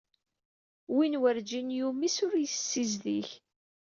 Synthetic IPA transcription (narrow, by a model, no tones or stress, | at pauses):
winwəɾd͡ʒinjumisʊɾjəsːizðiç